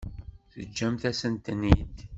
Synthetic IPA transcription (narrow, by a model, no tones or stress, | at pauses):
θəd͡ʒːæmθæsənt̪nid̪